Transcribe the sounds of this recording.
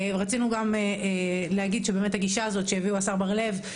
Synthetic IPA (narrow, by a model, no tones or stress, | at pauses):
ʁat͡sinuɡameleaɡid̪ʃebeːmethaɡiʃaːzo̞tʃejaviuasaʁbaʁle̞v